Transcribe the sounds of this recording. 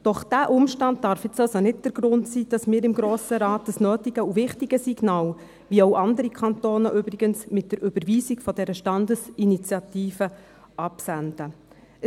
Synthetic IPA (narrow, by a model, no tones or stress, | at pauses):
d̥ɔχd̥æːʔʊmʃtɑnt̚dɑɾfjɪt͡sɑlsonɪt̚d̥əɾɡ̥ɾʊntsiːd̥ɑsmɪːɾɪmɡɾoːsəɾɑːtəsnøːtiɡ̥əuvɪχtiɡəsiɡnɑːl | viɔʊʔɑndəɾikʰχɑnt̪oːnəʔʏbɾiɡ̥ənsmɪt̚d̥əɾʔʏb̥əɾʋiːsiɡfɔdɛɾəʃtɑndəsinit͡sjɑtiːfə | ʔɑpsændə